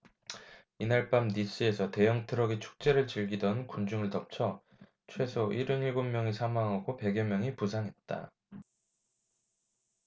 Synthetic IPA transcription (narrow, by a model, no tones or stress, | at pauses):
inaɭp͈amnis͈ɯe̞sʰʌte̞jʌŋtʰɯɾʌɡit͡ɕʰu̥k̚t͡ɕ͈e̞ɾɯɭt͡ɕiɭɡidʌnkund͡ʑuŋɯɭtʌp̚t͡ɕʰʌ | t͡ɕʰwe̞sʰoʔiɾɯniɭɡomːjʌŋisʰamaŋɦaɡope̞ɡjʌmjʌŋipusʰaŋɦe̞t̚t͈a̰